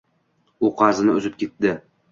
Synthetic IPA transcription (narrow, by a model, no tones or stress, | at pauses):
uqʰɑzɪnɪɵzɪp̚kʲet̪ːdɪ